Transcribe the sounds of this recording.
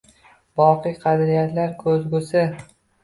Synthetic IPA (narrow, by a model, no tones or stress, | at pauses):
bɒqɨjqʰɑd̪ɾijat̪laɾkʰɵzɡʊsɪ